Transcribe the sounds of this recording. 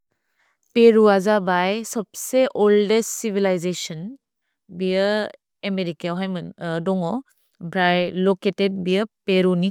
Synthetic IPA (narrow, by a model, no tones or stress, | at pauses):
peɾuazabajsɔb̚seʔɔldessibʱilajzesɔn | bijə | emeɾikaɦajmɯndɔŋɔ | bʱɾajloketed̚bijəpeɾuni